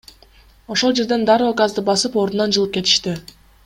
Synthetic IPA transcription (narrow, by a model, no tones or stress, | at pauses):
o̞ʃo̞lˠd͡ʒe̞ɾd̪e̞nd̪ɑɾɯokazd̪ɯbɑsɯpoɾd̪unɑnd͡ʒɯlˠɯp̚ke̞t̪i̥ʃt̪i